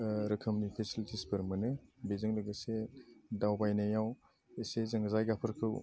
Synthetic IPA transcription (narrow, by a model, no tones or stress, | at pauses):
ɾɐkʰɐmnipʰesilitʰispɯɾmɯnɯbezɯŋlɯɡɯsedawbajnajaw | esezɐŋzajɡapʰɯɾkʰɯw